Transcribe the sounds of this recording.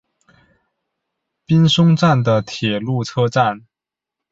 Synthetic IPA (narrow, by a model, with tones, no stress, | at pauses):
pi˥nʂʊ˥ŋʈ͡ʂa˥˩nd̪ə˩t̪ʰjɛ˨˩lu˥˩ʈ͡ʂʰɤ˥ʈ͡ʂa˥˩n